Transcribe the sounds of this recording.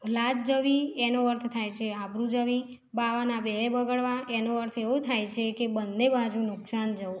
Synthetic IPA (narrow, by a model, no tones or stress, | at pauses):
lad͡ʒd͡ʒəʋienoəɾt̪ʰt̪ʰajt͡ʃʰeabɾũd͡ʒəʋi | baʋanabeɦebəɡəɭʋaenoəɾt̪ʰeʋut̪ʰajt͡ʃʰekebənd̪ebad͡ʒũnʊksand͡ʒəu